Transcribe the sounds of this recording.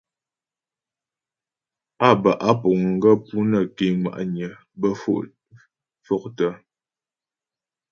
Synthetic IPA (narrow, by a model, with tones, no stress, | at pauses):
a˦˨bə˨ʔa˦pɔ˨ŋ̩˨ɡə˦pu˦nə˨ki˨ŋwa̰˨ʔɲə˨ | bə˦fo̰˦ʔ | fɔ˦k̚tə˦